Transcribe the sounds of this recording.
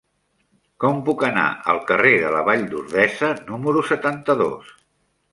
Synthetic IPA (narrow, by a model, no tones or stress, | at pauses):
kɔmpukəna̰ʔə̰lˠkəreðələβaʎd̪uɾðɛsənuməɾusət̪ant̪əðo̰s